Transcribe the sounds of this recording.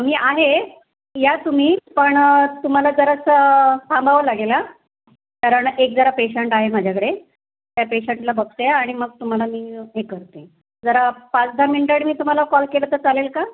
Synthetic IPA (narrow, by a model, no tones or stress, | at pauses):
miːʔaɦe | jat̪um̤iːpəɳt̪um̤alad͡zəɾassambʱaʋəlaɡela | kaɾəɳekd͡zəɾapeɕəɳʈaɦemad͡ʑʱjakəɽe | t̪japeɕəɳʈlabəɡsjaːɽ̃iməɡ̚t̪um̤alamiːɦekəɾt̪e | d͡zəɾapat͡sd̪ʱamiɳʈəɽmiːt̪um̤alakɔlkelət̪əɾt͡salelka